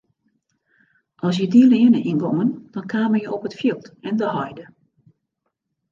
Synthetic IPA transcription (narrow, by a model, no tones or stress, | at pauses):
ʔɔlˠs̬jədilɪənəʔinɡɔŋənd̥ɔnkʰaːmənjəʔopətfjilˠtɛndəhɔjdə